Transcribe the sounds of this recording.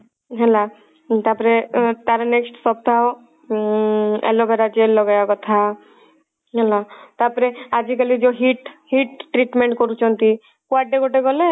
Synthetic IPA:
ɦɛla | t̪apɔɾet̪aɾɔneksʈsɔp̚d̪ʱao | ɛ̰lɔbʱɛɾad͡ʒelɔɡajakɔt̪ʰa | ɦɛlat̪apɔɾead͡ʒikəlid͡ʒoɦiʈɦiʈʈɾiʈmẽɳʈkɔɾut͡ʃʰɔnt̪i | kuaʈːeɡoʈeɡɔle

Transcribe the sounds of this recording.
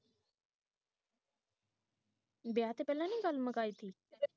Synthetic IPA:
beaːt̪eːpɛːlãːniːɡəlməkaːiːt̪ʰiː

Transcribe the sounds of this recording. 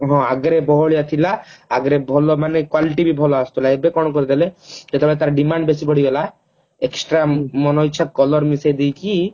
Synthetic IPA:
ɦɔ̃aɡɾebɔɦoɭijat̪ʰilaaɡɾebʱɔlɔmanekwaliʈibibʱɔlɔast̪ʰɔlaebekɔnɔkɔɾid̪eled͡ʒet̪epɔɽet̪aɾɖimaɳɖbesipɔɽiɡela | eksʈɾamɔnɔjt͡ʃʰːakɔlɔɾmisejd̪ijki

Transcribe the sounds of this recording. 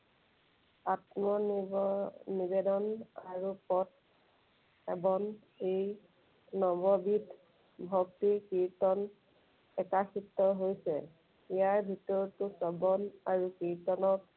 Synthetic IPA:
atmɔ | nibedɔnaɹupɔt̚ | ɛbɔŋ | ej | nɔbɔbit | bʱɔktikiɹtɔn | ɛkaxitːɔɹɦojsɛ̰ | ijaɹbʱitɔɹtʊsɔbɔnaɹukiɹtɔnɔt̚

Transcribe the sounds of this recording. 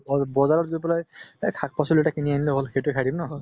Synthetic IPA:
bɔzaɹɔzupɔlajkʰak̚pasɔluɛtakinianiloɦolxejtʊkʰadimnɔ

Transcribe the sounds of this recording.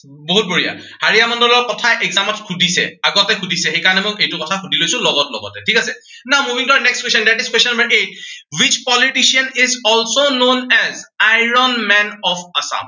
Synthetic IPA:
boɦut̚boɹija̰haɹijamɔndɔlɔɹkɔtʰaʔeɡzamɔtkʰudʱisɛ̰aɡɔtɛkʰudʱisɛxejkaɹɔnɛmojejtukɔtʰakʰudʱilojsʊ̃lɔɡɔtlɔ̰ɡɔ̰tɛtʰikasɛ | namuvʱĩŋtuanɛkstkwesɔndɛʈiskwesɔnɔmbəɹʔet̚wit͡ʃpɔliʈisianizɔlsonõnɛzajɹɔnmɛnɔfasa̰m

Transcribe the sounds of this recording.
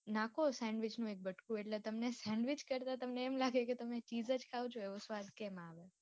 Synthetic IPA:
nakosɛ̃ɳɖʋɪt͡ʃnũek̚bəʈkũeʈlet̪əmnesɛ̃ɳɖʋɪt͡ʃkəɾt̪at̪əmneːmlaɡeket̪əmet͡ʃizəd͡ʒkʰaot͡ʃʰoeʋosʋad̪kemaʋe

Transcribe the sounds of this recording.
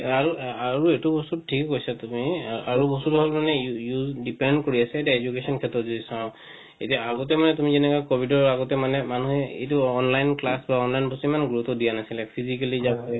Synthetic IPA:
aɹuaɹuetubɔsut̚tʰikkojsatumiaɹubɔstutɦɔlmanɛujuzdipɛnkoɹiasaetiaezukesɔnkʰɛtɹɔtzodisã | etiaːɡɔt̬ɛmanɛtumizɛnɛkajkobʱidɔɹaɡɔtɛmanɛmanuhɛḛjtuɔnlajnklasbaɔnlajnbɔstuimanɡɹutɔdijanasilapʰizikalizabɛ

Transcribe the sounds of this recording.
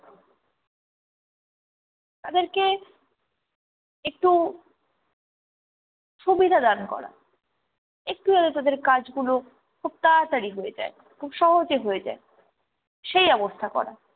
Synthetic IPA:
t̪ad̪eɾke | ek̚ʈu | ʃubid̪ʱad̪ankɔ̰ɾa̰ | ek̚ʈujad̪et̪ad̪eɾkad͡ʑɡulo | kʰub̚t̪ataɾiɦojed͡ʑa̰e | kʰubʃɔɦod͡ʑeɦoed͡ʑa̰e | ʃejɔbost̪ʰakɔ̰ɾa̰

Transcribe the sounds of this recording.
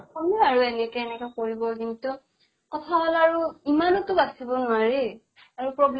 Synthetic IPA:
ɔmɔaɹuɛnɛkɛɛnɛkɔkoɹibɔkintʊ | kɔtʰaɦɔlaɹuimanɔtʊbasibɔnʊaɹɛ | aɹupɹɔbl

